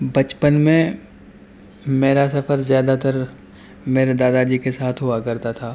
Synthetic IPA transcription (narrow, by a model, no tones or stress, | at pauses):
bɐt͡ʃpənmẽ | meːɾasɐfʰəɾzjaːd̪at̪əɾ | meːɾed̪aːd̪ad͡ʒiːkesaːt̪ʰɦoakɐɾt̪at̪ʰaː